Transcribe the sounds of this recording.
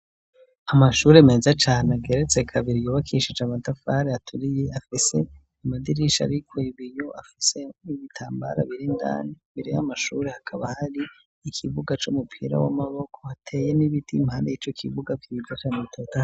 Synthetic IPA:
amaʃuɾe̞me̞zat͡ʃaːneaɡe̞ɾet͡sekʰaβiɾijuβakʰiʃid͡ʒamadafaɾeatʰuɾije̞afise̞ | amadiɾiʃa̰ɾikʰwiβijoʔafise̞iβitʰaːmba̰ɾa̰βiɾinda̰ːniβiɾihamaʃuɾe̞hakʰaβahaɾiː | kʰiβuɡat͡ʃumupʰḭɾa̰wa̰maβo̞kʰo̞atʰe̞jeniβitʰimaniit͡ʃokʰiβuɡakjid͡ʒat͡ʃanetʰota

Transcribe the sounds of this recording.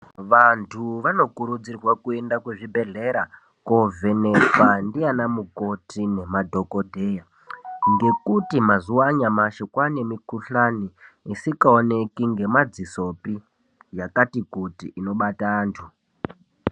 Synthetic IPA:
ʋantʰuʋano̞kuɾud͡zirwakue̞ndakwe̞ʐibʱe̞ɮe̞ɾa | kovʱe̞ne̞pandianamuko̞tine̞madʱo̞ko̞dʱe̞ja | ŋɡe̞kutimazuwaɲamaʃekwane̞mikuɬani | isikaone̞kiŋɡe̞mad͡ziso̞pi | jakatikutiʔːno̞ɓataːntʰu

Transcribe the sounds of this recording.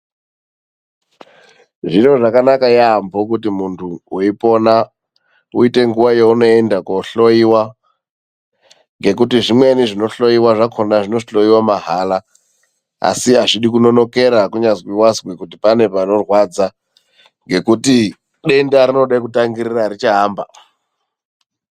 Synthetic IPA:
ʐino̞ʐakanakajaːmbʱok̬utimuntʰuuipo̞na | uite̞ŋɡuʋajeuno̞endakoɬo̞jiwa | ŋɡe̞k̬utiʐimwe̞niʐino̞ɬo̞jiwaʐakʰonaʐino̞iɬo̞jiwamaɦala | a̰siaʐiɗikuno̞no̞ke̞ɾakuɲazwiwazwikutipane̞pano̞rwad͡za | ŋɡe̞kuti | ɗe̞ndaɾino̞ɗaik̬utaŋɡiɾiraɾit͡ʃaɦaːmba

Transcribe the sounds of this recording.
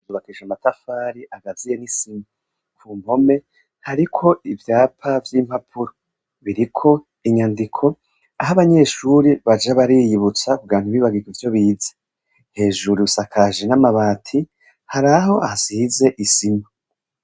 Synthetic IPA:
zuβakiʒamatafaːɾiʔaɡazije̞nisima | kʰuːm̥ho̞me̞ | haɾikʰo̞ivjaːpʰavjiːm̥hapʰuɾo | βiɾikʰo̞ | iɲandikʰo̞ | aɦaβaɲe̞ʃuɾiβad͡ʒaβaɾiːjiβut͡sakuɡaːn̥uβiːβaɡiɡivjo̞βiːze | he̞ːʒuɾiusakʰaʒenamaβaːtʰi | haɾaɦo̞ʔasize̞ʔisima

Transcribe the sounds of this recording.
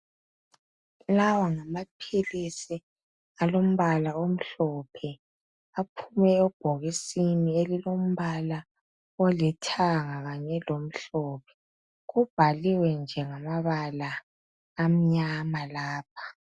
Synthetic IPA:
lawaŋamapʰilisi | alom̩βalaom̩ɬɔpʰɛ | apʰumɛɛb̥ʱoɣisinielilom̩βala | ɔlitʰaŋaɣaɲɛlom̩ɬɔpʰɛ̥ | ɣub̥ʱaliwɛnd͡ʒʱɛŋamaβalaː | m̩ɲamalaːp̚ʰḁ

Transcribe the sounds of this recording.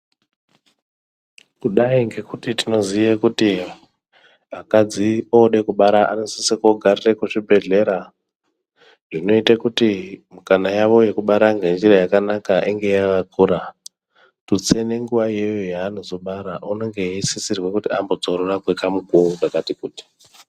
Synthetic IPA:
kuɗaiŋɡe̞kutitino̞zijekuti | akad͡zioɗe̞kuɓaɾaʔa̰nosisikoɡʱarirekuʂibʱe̞ɮe̞ɾa | ʐino̞itakutimukanajaʋo̞je̞kuɓaɾaŋɡe̞nd͡ʒiɾajakanakaʔiŋɡe̞jakakʰuɾa | tut͡se̞ne̞ŋɡuʋaje̞jojaːno̞zo̞ɓaɾaʔuno̞ŋɡe̞isisirwe̞kutiambo̞t͡soɾorakwekamukuɡakatikuːti̥

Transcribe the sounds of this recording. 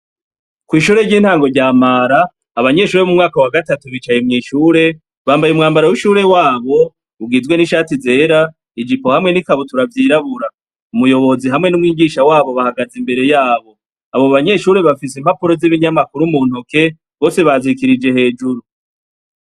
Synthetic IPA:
kwiːʃuːɾe̞ɾɟiːn̥haːŋɡo̞ɟaːmaɾaː | βaɲe̞ʃuːɾemumŋaːkawaɡatatuβiːt͡ʃajemŋiːʃuːɾe̞ | βaːmbajumŋaːmbaɾawiʃuːɾe̞waːβo̞ | ubɡizɡwe̞niʃaːtize̞ːɾa | id͡ʒiko̞hamŋe̞nikaβotuɾavjiːɾaβuɾa | umujo̞βo̞ziɦamŋe̞numŋiːɡiʃawaːβo̞βahaɡazimbe̞ɾe̞jaːβo̞ | aβoβaɲe̞ʃuːɾe̞βafisem̥hapuɾo̞ziβiɲamakuɾumuːnhuke̞ | βo̞ːse̞βazikiɾid͡ʒe̞ɦe̞ːd͡ʒuɾu

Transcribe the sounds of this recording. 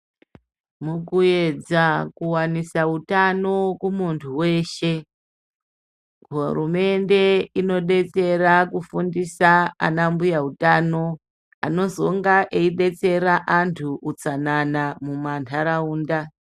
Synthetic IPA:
mukue̞d͡zakuwanisautano̞kumuntʰuwe̞ːʃe̞ | ɦurume̞nde̞ino̞ɗe̞t͡se̞rakufundisaa̰nambujautano̞ | a̰no̞zo̞ŋɡaʔeiɗe̞t͡se̞ɾaʔantʰuʔːt͡sananamumantʰaɾauːnda

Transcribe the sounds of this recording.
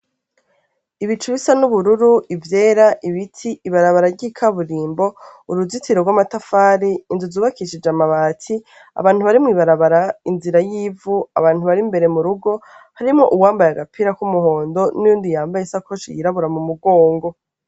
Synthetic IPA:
iβit͡ʃuβisanuβuɾuɾuʔivjeːɾaʔiβitʰiiβaɾaβaɾaɾɟiːkʰaβuɾiːmbo̞uɾuzitʰiɾoɡwamatafaːɾiːnzuzuːβakiʃid͡ʒamaβaːtʰi | a̰βaːn̥uβaɾimŋiːβaɾaβaɾainziɾajiːvua̰βaːn̥huβaɾimbe̞ɾe̞muɾuɡo̞ | haɾimŋoʔuwaːmbajaɡapʰiɾakumuho̞ːndo̞nijuːndijaːmbajesakʰot͡ʃḭjiɾaβuɾamumuɡo̞ːŋɡo̞

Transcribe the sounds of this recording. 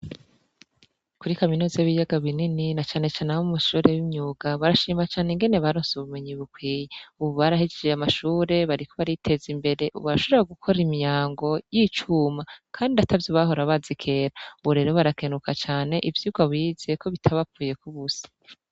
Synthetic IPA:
kuɾikaminuːzaiβijaɡaβinininat͡ʃaːne̞t͡ʃaːneahumuʃuːɾe̞wimɲuːɡaβaɾaʃiːmat͡ʃaːneŋɡe̞neβaɾoːnsuβume̞ɲiβukwiːjeuβuβaɾahid͡ʒed͡ʒeamaʃuːɾe̞βaɾiko̞βaɾitʰe̞zimbe̞ɾe̞ʔṵβuɾaʃo̞βɾaɡukʰo̞ɾimijaːŋɡo̞jit͡ʃuːmakʰaːndiatʰavjoβaɦo̞ɾaβazikʰe̞ɾauβuɾe̞ːɾo̞βaɾakenukat͡ʃaːne̞ʔivjuːɡwaβiːz̥ekʰo̞βitʰaβapuːje̞kuβusi̥

